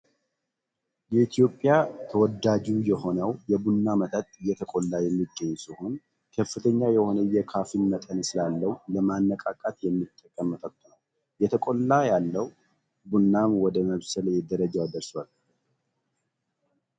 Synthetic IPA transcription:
jɛit̪ʰijo̞pʼːɪjat̪ʰəwɔd̪ad͡ʒujɛho̞nəwjɛbunːamət̪ʼət̪ʼɨjɛt̪ʰəkʼolːajɛmːiɡːəɲːsɨhon | kʰəfːɨt̪ʰəɲːajɛho̞nəjɛkʰafinmət̪ʼənsɨlalːəwləmanːəkʼakʼat̪jɛmːit̪ʼːəkʼːəmːət̪ʰət̪ːunəw | jɛt̪ʰəkʼo̞lːajalːəw | bunːamwɔd̪əməβsəljɛd̪əɾəd͡ʒawad̪əɾswal

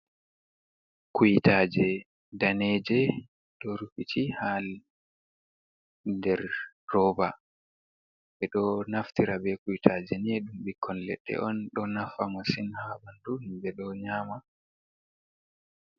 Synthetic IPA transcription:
kujitʰad͡ʒɛ | danɛd͡ʒɛ | ɗɔɾukit͡ʃihal | dɛɾː | ɔːba | bɛɗɔnaftiɾabɛkujitʰad͡ʒɛniɛɗumɓikʰːɔnlɛ̰ɗːɛ̰ʔɔnɗɔnafamasinhabanduhimbɛɗɔɲaːma

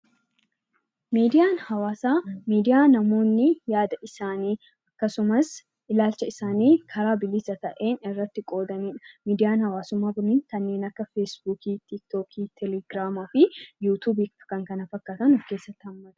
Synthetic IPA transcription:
miːd̪ɪjaːnhɐwaːsaːmiːd̪ɪjaːnɐmo̞ːnːɪjaːd̪ɐʔɪsaːniː | ɐkːɐsʊmɐs | ʔɪlaːlt͡ʃɐɪsaːniːkʰɐɾaːbɪlɪsɐt̪ɐʔeːnɪrːɐt̪ːɪkʼo̞ːd̪ɐniːᶑɐ̥miːd̪ɪjaːnhɐwaːsʊmːaːɡʊniːnk̪ɐnːe̞ːnɐkːɐfesbuːkiːt̪ɪk̚t̪oːkʰiːt̪ʰɛlɛɡɾaːmɐfɪjuːt̪uːbikɐŋkɐnɐfɐkːaːt̪ɐnɔfke̞ːsːɐt̪ːɪhɐmːɐt̪ɐ̥

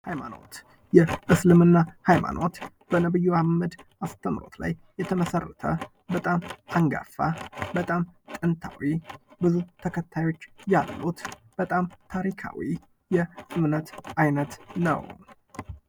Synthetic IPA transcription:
hajmano̞̰t̪ | jɛʔɨslɨmɨnːahajma̰nʔo̞t̪ | b̥ənəβɨjːuaməd̪ʔast̪ʰəmɾo̞̰t̪la̰jːɛt̪ʰəməsərːət̪ʰə | bət̪ʼamʔaŋɡa̰fabət̪ʼamt̪ʼɨnt̪ʰa̰wibɨzut̪ʰəkʰət̪ʰːajo̞t͡ʃːjalːut̪b̥ət̪ʼamt̪ʰaɾikʰa̰wḭ | jɛsɨmnət̪ʔajnət̪nə̰w

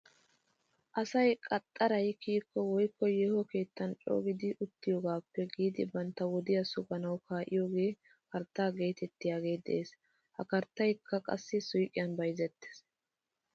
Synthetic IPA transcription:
ʔɐsɐjkʼɐt̪ʼːɐɾɐjkiːkːɔwɔjkːɔjeːhɔke̞ːt̪ːɐnt͡ʃʼo̰ːɡɪd̪ɪʔʊt̪ːɪjoːɡaːpːɛɡiːd̪ɪbɐnt̪ːɐwɔd̪ɪjɐsʊɡɐnɐwkʰaːʔɪ̰joːɡe̞ː | kɐɾt̪ːaːɡe̞ːt̪ɛt̪ːɪjaːɡe̞ːd̪ɛ̰ʔeːs | hɐkɐɾt̪ːɐjkʰːɐkʼɐ̰sːɪsʊjkʼːɪjɐnbɐjzɛt̪ːe̥s

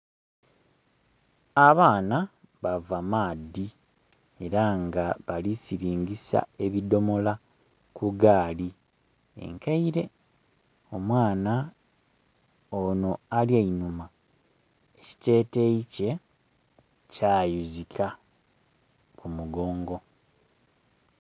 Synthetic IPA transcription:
aβaːna | βavamaːd̪ːi | e̞ɾaŋɡaβalisiɾiːɲɟisa̰e̞βido̞mo̞la | kuɡaːli | ḛŋkaiɾe̞ | o̞mwaːna | ono̞aljainuma | e̞ci̥te̞ːte̞ice̞ | caːjuzikʰa | kumuɡo̞ːŋɡo̞

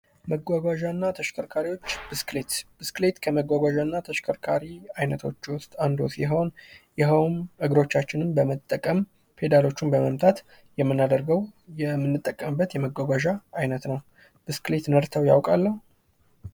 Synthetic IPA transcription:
məɡʷaɡʷaʒanːat̪ʰəʃkʰəɾkʰaɾiwo̞t͡ʃːb̥ɨsklet̪b̥ɨsklet̪kʰəməɡʷaɡʷaʒanːat̪ʰəʃkʰəɾkʰaɾiajnət̪ʰo̞̰t͡ʃːwʊst̪ʼand̪osiɦo̞njɛɦəwmʔɨɡɾo̞t͡ʃːat͡ʃːɪnɨnbəmət̪ʼːəkʼəm | pʰe̞d̪alo̞t͡ʃːunbəməmt̪ʰat̪ | jɛmːɨnːad̪əɾɡəwjɛmːɨnːɨt̪ʼːəkʼːəmɨbːət̪jɛməɡʷaɡʷaʒaːjnət̪nəw | b̥ɨsklet̪nəɾt̪ʰəwja̰wkʼalːəhu

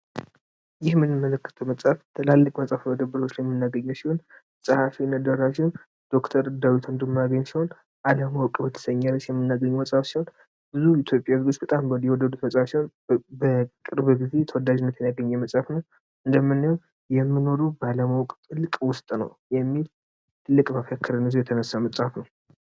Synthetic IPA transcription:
jɪhmɨnːɨmːələkːə̥t̪ʰəwməsʼaft̪ʰɨlalːəkʼməsʼafməd̪əbːəɾot͡ʃːlajɛmːɨnːaɡəɲːəwsiho̞n | sʼəhafinəd̪əɾasion | d̪̥o̞kt̪ʰəɾd̪awit̪ʰund̪əmːnaɡəɲsiho̞n | alamawkʼbət̪ʰə̥səɲːalːət͡ʃjɛmːɨnːaɡəɲːuməsʼhafsiho̞n | bɨzuit̪ʰjo̞pʼjazɡot͡ʃbət̪ʼambwɔd̪ːəd̪ut̪məsʼhafsiho̞n | bəkʼɨɾbɨɡize̞jt̪ʰəwɔd̪ad͡ʒɪnːət̪jɛnjaɡəɲːɛməsʼafnəw | ʔɨnd̪əmːɨnːjow | jɛmːɨno̞ɾubəalamawkʼt̪ʼɨlːkʼwʊst̪ʼnə̰wjɛmːil | t̪ʰɨlːɨkʼbafakʰːəɾənɨzujɛt̪ʰənəsːaməsʼhafnəw

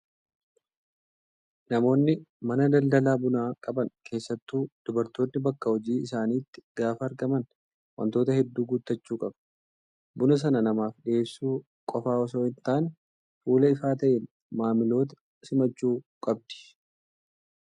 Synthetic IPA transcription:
nɐmo̞ːnːɪmɐnɐd̪ɐld̪ɐlaːbʊnaːkʼɐbɐnkʰe̞ːsːɐt̪ːuːd̪̥ʊbɐɾt̪oːnːɪbɐkːɐhɔd͡ʒiːɪsaːniːt̪ːɪ̥ɡ̥aːfɐːɾɡɐmɐn | wɐ̰nt̪o̞ːt̪ɐhɛd̪ːuːɡʊt̪ːɐt͡ʃːuːkʼɐb | bʊnɐs̬ɐnɐnɐmaːfɗɪeːsːuː | kʼɔfaːɔs̬oːhɪnt̪aːn | fuːlɐɪfaːt̪ɐʔeːn | maːmɪlo̞ːt̪ɐ̥ | sɪmɐt͡ʃːuːkʼɐb̚d̪ɪ̥

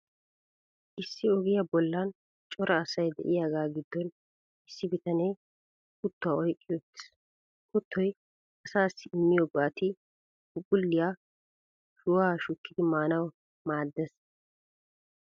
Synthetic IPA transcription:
ʔɪsːɪɔɡɪjabɔlːɐn | t͡ʃʼɔɾɐːsɐjd̪ɛ̰ʔɪjaːɡaːɡɪd̪ːɔn | ɪsːɪbɪt̪ɐnej | kʊt̪ːʊaːɔjkʼːɪjɔt̪ːɪ̥s | kʊt̪ʰːɔj | ɐsaːsːɪɪmːɪjɔɡaːt̪ɪ | ʊɡʼʊlːɪjaː | sʊwaːʃʊkːɪd̪ɪmaːnɐw | maːd̪ːɛs

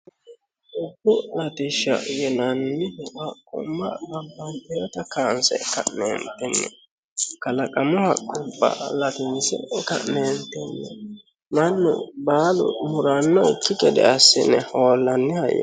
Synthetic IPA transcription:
ʔʊdːʊlɐt̪ɪʃːɐ̰jɛnɐnːɪhɐkʼːʊ̰mːɐbɐbːɐnt̪ɛjɔt̪ɐkaːnsɛ̰kɐʔnḛːnt̪ɛnːɛ | kɐlɐkʼɐmɔhɐkʼːʊbːɐ̰lɐt̪ɪnsɛ̰kɐ̰ʔneːnt̪ɛnːɛ | mɐnːʊ̰baːlʊ̰mʊɾɐnːɔɪkːɪkɛd̪ɛ̰ɐsːɪnɛhoːlːɐnːɪhɐjːɛ̰

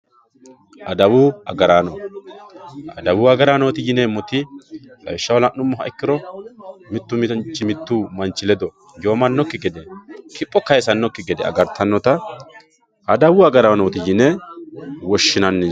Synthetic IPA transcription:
ʔɐd̪ɐwuɐɡɐɾaːnɔ | ɐd̪ɐwʊːɐɡɐɾaːnoːt̪ɪjɪnɛmɔt̪ɪkɐjʃːɐwɔlɐnːʊmːɔɦɐ̰ɪkːɪɾɔ | mɪt̪ːʊmt͡ʃːɪmɪt̪ːuːmɐnt͡ʃːɪlɛd̪ɔ | joːmɐnːɔkːɪɡɛd̪ɛkɪpʼːɔkɐjsɐnːɔkːɪɡɛd̪ɛɐ̰ɡɐɾt̪ʰːɐnːɔt̪ɐ | ɐd̪ɐwʊɐɡɐɾanoːt̪ɪjɪnɛ | wɔʃːɪnɐnːɛ

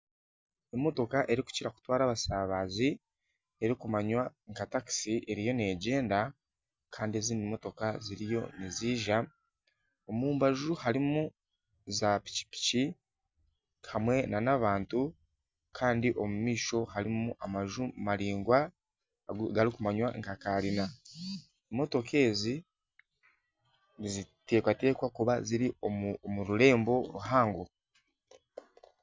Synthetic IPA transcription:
e̞mːo̞to̞kaʔe̞ɾiku̥ciɾaku̥twaːɾaβasaːβazi | e̞ɾikumaɲwaŋkataksiʔeɾijo̞ne̞ɟe̞ːnda | kʰaːndieziːndimo̞to̞kaziɾijo̞̰niziːʒa | o̞muːmbaʒuhaɾimu | zapi̥ci̥pi̥ci | hamwe̞nanaβaːntu | kʰaːndiʔo̞mumiːʃo̞haɾimuʔamaʒumaɾiːŋɡwa | ɡaɾikumaɲwaŋkakaɾina | emo̞to̞ke̞ːzi | zite̞ːkwate̞ːkwakuβaziɾiomuɾuɾe̞ːmbo̞ɾuɦaːŋɡo

